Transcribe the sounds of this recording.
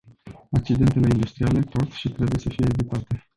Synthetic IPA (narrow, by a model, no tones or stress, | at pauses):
ak̚t͡ʃid̪e̞nt̪e̞le̞ind̪ust̪ɾiale̞po̞t̪ʃit̪ɾe̞bujesəfije̞ːvit̪at̪e̞